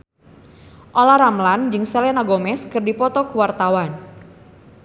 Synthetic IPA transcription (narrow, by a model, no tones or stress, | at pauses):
ʔolaɾamland͡ʒɨŋsɛlɛnaɡomɛskɨrdipɔt̪ɔkuwart̪awan